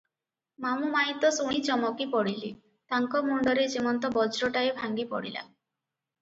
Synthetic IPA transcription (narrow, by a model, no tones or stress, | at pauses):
mamumaɦit̪ɔsoɽ̃it͡ʃɔmɔkipɔɽili | t̪aŋkɔmuɳɖɔɾed͡ʒemɔnt̪ɔbɔd͡ʒɾɔʈaebʱaŋɡipɔ̰ɽila̰